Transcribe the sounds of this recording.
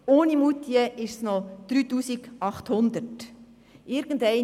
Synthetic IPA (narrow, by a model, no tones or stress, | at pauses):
oːnimut̪iəʔɪʃsnɔd̪̥ɾyːtuːsiɡɑχt̪hʊnd̪ət | ʔɪɾɡ̥əndɛɪ